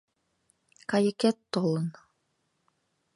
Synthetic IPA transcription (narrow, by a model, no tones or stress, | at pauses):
kɑjɘ̆kɛt̪ːolˠɤ̆n